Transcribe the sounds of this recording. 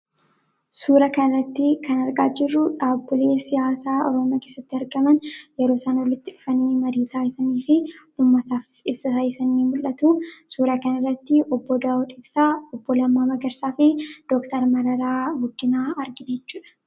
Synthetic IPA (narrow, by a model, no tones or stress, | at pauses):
suːɾɐkɐnɐrːɐt̪ːɪkʰɐnɐɾkʼaːd͡ʒɪrːʊᶑaːbːʊleːsɪjaːsaːʔɔ̰ɾɔmɪjaːke̞ːsːɐt̪ːɪɐɾɡɐmɐnjɛɾoːsaːnɔlːɪt̪ːɪᶑʊfɐniːmɐɾiːt̪aːjɪsɐniːfɪ | uːmːɐt̪aːfɪ̥ɪsɐtajɪsɐnːiːmʊlːɐt̪uːsuːɾɐkɐnɪrːɐt̪ːɪʔɔbːɔd̪aːɔᶑɪbsaɔbːɔlɐmːaːmɐɡɐɾsaːfɪd̪̥okt̪ɐɾmɐɾɐɾaːɡʊd̪ːɪnaːɐɾɡɪd̪eːt͡ʃːuːᶑɐ̥